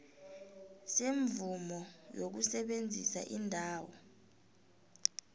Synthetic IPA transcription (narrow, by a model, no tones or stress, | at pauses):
seɱvumɔjok̬usɛɓend͡zʱisa̰ʔindʱaːwɔ